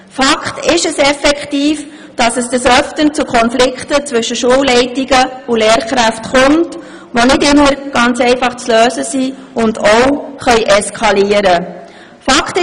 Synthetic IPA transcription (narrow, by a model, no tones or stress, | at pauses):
fɑkχtɪʃəsɛfɛkχtiːf | d̥ɑsəsd̥əsœftənt͡sukʰɔnflɪkχtət͡sʋʏʃəʃuəwlɛɪtiɡəʊleːɾχɾæftχʊmt | ʋonɪdɪmːəɾɡ̥ɑnt͡sɛɪfɑχt͡sløːsəsi | ʊndɔwχœʏʔɛskʰɑliəɾə | fɑkt